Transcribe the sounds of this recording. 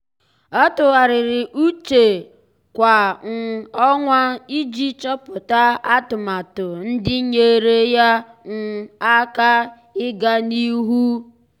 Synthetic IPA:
ɔ˦tʊ˨ɣa˨ɾɪ˨ɾɪ˨ʔu˦t͡ʃe˨ | kʷa˨n̩˨ɔ˦ŋʷa˦i˦d͡ʒi˦t͡ʃɔ˦pʊ˨ta˦a˦tʊ˨ma˨tʊ˨n̩˦dɪ˦ɲe˦ɾe˦ja˦n̩˨a˦ka˦ | ɪ˦ɡa˦ni˦ɦu˦

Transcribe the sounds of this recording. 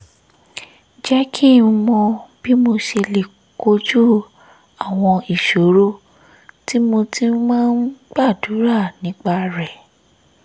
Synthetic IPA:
d͡ʒɛ˦kʰi˦˨ũ˧mɔ̃˧b̥i˦mo˧ʃe˧le˨ | ko˦d͡ʒu˦ | a˦˨w̃ɔ̃˧i˨ʃo˨˦ɾo˦ | ti˦mo˧ti˦mãː˦n̩˦ɡ͡ba˦˨du˨˦ɾa˦˨nĩ˨˦k͡pa˧ɾɛ˨

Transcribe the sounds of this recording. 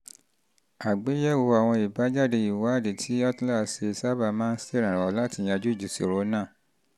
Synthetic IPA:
a˨ɡ͡be˨˦jɛ˦˨wo˧a˨w̃ɔ̃˧i˨ba˨˦d͡ʒa˦˨de˧i˨wa˨˦˨de˨tʰi˨˦ɔ˦tla˦se˧sa˦ba˧mãː˦n̩˦se˦˨ɾ̃ã˨ɾ̃ɔ˨˦la˦ti˧˨j̃ã˧d͡ʒu˦i˦˨d͡ʒu˨sḭ˨ɾo˨˦nãː˦˨

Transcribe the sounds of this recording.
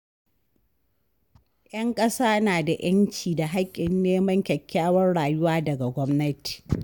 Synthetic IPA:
ʔjɐ˦ŋkʼɐ˦saː˦naː˨da˨j̰ɐ˦nt͡ʃiː˨da˨ɦa˦kʲʼːɪ˨nːeː˦mɐ˦ɲkʲɐ˨kʲːaː˦wɐ˦nɽaː˨jʊ˦waː˦dɐ˨ɡa˨ɡʷɔ˦mnɐ˦ti̥ː˨

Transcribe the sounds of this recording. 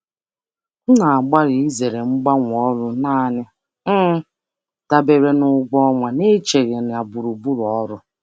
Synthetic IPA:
n̩˦na˨a˨ɡ͡ba˦ɾi˨i˦ze˨ɾe˨ŋ͡m̩˦ɡ͡ba˦ŋʷ˨ɔ˦ɾʊ˦naː˦˨nɪ˦ | da˨be˨ɾe˨nʊ˨ɡɔ˦ŋʷa˨ne˦t͡ʃe˨ɾje˨n˨a˨bu˨ɾu˨bu˦ɾɔ˦ɾʊ˦

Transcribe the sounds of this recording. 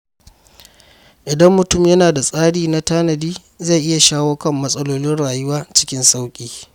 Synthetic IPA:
ʔɪ˨dɐ˦mːʊ˨tʊ˦˨mjɐ˦naː˨da˨sʼaː˦ɽiː˨na˦taː˦nɐ˨diː˦ | za˦˨jʔɪ˦ja˨ʃaː˦woː˦kɐ˦˨mːɐ˦sʼɐ˦loː˦nɪ˦nɽaː˨jʊ˦waː˦t͡ʃɪ̥˦kʲɪ˦nsa˦wkʲʼiː˦

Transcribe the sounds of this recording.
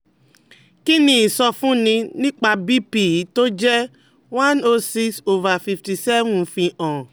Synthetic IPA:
ki˦nĩ˦i˨sɔ˧fũ˦nĩ˧nĩ˦k͡pa˧bi˦pi˦˨˦to˦d͡ʒɛ˦ | wã˦no˧si˦kso˦va˨fi˧fti˧sɛ˦vũ˦fĩ˧ʔɔ̃˨

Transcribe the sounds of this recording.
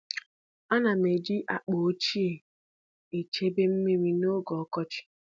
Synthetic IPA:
a˦na˨me˨d͡ʒi˦ʔa˨k͡po˨˦t͡ʃi˦e˨ | e˨t͡ʃe˦be˦m̩˦me˦ɾi˦no˦ɡɔ˨ɔ˦kɔ˦t͡ʃɪ̥˦

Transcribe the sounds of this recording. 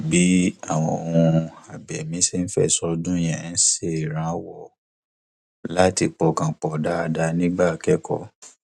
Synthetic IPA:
bi˨˦a˦˨w̃ɔ̃˧˨õ˨ũ˧a˨bɛ˨mĩ˨˦se˦n̩˦fɛ̰˦˨sɔ˧dũ˦j̃ɛ̃˨n̩˦se˦˨ɾ̃ã˨˦wɔ˦˨ | la˦ti˧k͡pɔ˧kã˨k͡pɔ˨da˦a˧da˧nĩ˦ɡ͡ba˦˨kɛ˦kʰɔ̰˦˨

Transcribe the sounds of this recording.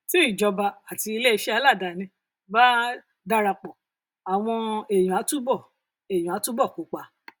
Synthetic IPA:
si˦i˦˨d͡ʒɔ˧ba˧a˨ti˧i˧le˦i˧ʃɛ˦a˧˦la˦˨da˨nĩ˧ | ba˦ | da˧ɾa˧k͡pɔ˨ | a˨w̃ɔ̃˧e˨j̃ũ˨a˨˦tu˦bɔ˦˨ | e˨j̃ũ˨a˨˦tũ˦bɔ˦˨ko˨˦k͡pa˧˦

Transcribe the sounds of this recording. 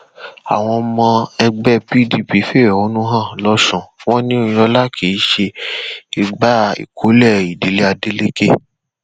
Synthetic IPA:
a̰˨w̃ɔ̃˧mɔ̃˧ɛ˧ɡ͡bɛ˦pi˨˦di˦pi˨˦fe˦˨wɛ˨o˨˦nũ˦ɦã˦˨lɔ˦sũ˨w̃ɔ̃˦nĩ˦õ˦˧ɔ˧la˦kʰe˨i˦ʃe˧i˦˧ɡ͡ba˦ḭ˨kʰo˨˦lɛ˦˨i˨de˨˦le˦a˧de˦le˦ke˦

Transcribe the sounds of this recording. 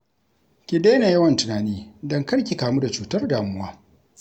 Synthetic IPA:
kʲɪ˨deː˦ne˨jɐ˦wɐ˨ntʊ˨naː˨niː˦dɐ˦ŋkɐ˦rkʲi˨kaː˨muː˦da˨t͡ʃuː˨tɐ˦rdaː˨mʊ˦waː˦

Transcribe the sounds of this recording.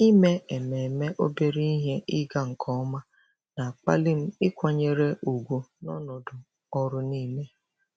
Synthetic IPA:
i˦me˦e˨me˨me˦ʔo˦be˦ɾi˦i˦ɦe˦ɪ˦ɡa˦ŋ̩˨kʰɔ˦ɔ˦ma˦ | na˨a˨k͡pa̰˦lɪ˦m̩˦ɪ˦kʷa˨ɲe˨ɾe˦u˨ɡʷu˨nɔ˦nɔ˨dʊ˨ | ɔ˦ɾʊ˦ni˦me˦

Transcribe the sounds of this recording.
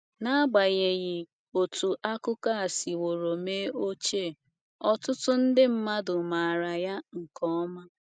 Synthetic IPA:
na˦a˦ɡ͡ba˨ɣe˨ɣi˨ | o˨tu˨ʔa˦kʊ˦ka˦a˨si˨wo˨ɾo˨me˦o˦t͡ʃe˦˨ | ɔ˦tʊ˦tʊ˦n̩˦dɪ˦m̩˦ma˦dʊ˨ma˨ɾa˨ja˦ŋ̩˨kɔ˦ɔ˦ma˦

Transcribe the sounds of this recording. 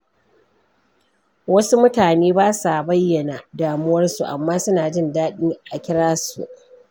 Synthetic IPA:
wɐ˦su˦mʊ˦taː˨neː˦baː˦sa˨bɐ˦jːɐ˨na˨daː˨mʊ˦wɐ˦rsu˨ʔa̰˨mːaː˦sʊ˦naː˨d͡ʒɪ˦ndaː˦ɗiː˦ʔa˨kʲɪ˦ɽaː˦sṵ˨ʔ

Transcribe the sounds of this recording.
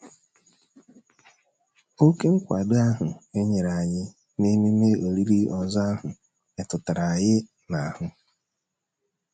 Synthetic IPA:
o˦ke˦ŋ̩˦kʷa̰˨da˦ɦʊ˨e˦ɲe˨ɾa˨ɲɪ˦ | ne˦me˦me˦o˨ɾi˦ɾi˦ɔ˨za˦a˦ɦʊ˨ | e˨tʊ˨ta˨ɾa˨jɪ˦ | na˨a˨hʊ˦

